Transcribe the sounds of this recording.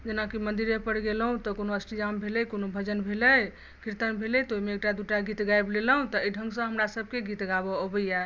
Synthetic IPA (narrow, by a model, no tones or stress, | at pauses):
d͡ʒenakimənd̪iɾepəɾɡeləɦũt̪ɔkonoəsʈid͡ʒambʱelɛjkonobʱəd͡ʒənbʱeləj | kiɾt̪ənbʱelɛjt̪oimeːk̚ʈad̪uʈaɡit̪ɡaebleləɦũt̪ɔiɖʱəŋɡsə̃ɦəmɾasəb̚ʱkeɡit̪ɡabɔːbəjɛ